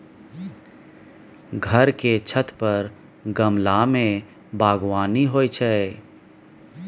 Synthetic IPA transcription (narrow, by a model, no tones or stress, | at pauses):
ɡʱəɾket͡ʃʰət̪pəɾ | ɡəmlamẽ | bʱaːɡwaːniɦoːit͡ʃʰɛ